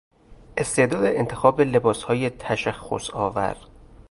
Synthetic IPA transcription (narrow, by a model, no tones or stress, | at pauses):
ʔe̞st̪e̞ʔd̪ɒːd̪eent̪ʰe̞xɒːbele̞bɒːshɒːjet̪ʰæʃæxːo̰sɒːvæ̰ɾd̪̥